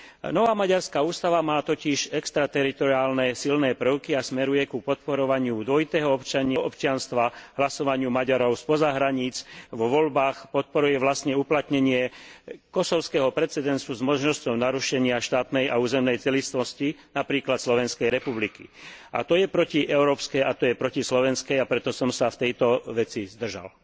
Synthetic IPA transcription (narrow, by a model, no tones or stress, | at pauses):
nɔʋaːmaɟaɾskauːst̪aʋamaːt̪ɔciʃɛkst̪ɾat̪ɛɾit̪ɔɾiaːlnɛsilnɛːpɾ̩əʊkiasmɛɾujɛkupɔt̪̚pɔɾɔʋaɲɪud̪ʋɔjit̪ɛːɦɔɔpt͡ʃaɲɪaʔɔpt͡ʃɪanst̪ʋaɦlasɔʋaɲɪumaɟaɾɔʊspɔzaɦɾaɲiːt͡sʋɔʋɔlbaːxpɔt̪̚pɔɾujɛʋlast̪ɲɛuplat̪ɲɛɲɪɛkɔsɔʊskɛɦɔpɾɛt͡sɛd̪ɛnsuzmɔʒnɔscɔʊnaɾuʃɛɲɪaʃt̪aːt̪nɛjʔauːzɛmnɛjt͡sɛlist̪ʋɔscinapɾiːklat̪slɔʋɛnskɛjɾɛpublikḭʔa̰t̪ɔjɛpɾɔciʔɛʊɾɔːpskɛjat̪ɔjɛpɾɔcislɔʋɛnskɛjapɾɛt̪ɔsɔmsaft̪ɛjt̪ɔʋɛt͡sizd̪r̩ʒa̰l